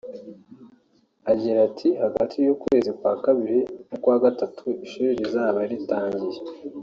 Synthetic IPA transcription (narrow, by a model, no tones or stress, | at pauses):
aɟiɾatʰihaɡatʰijukuwe̞ːzikwaːkaβiɾinokwaːɡatatʰuiʃuːɾiɾizaːβaɾitaːɲɟije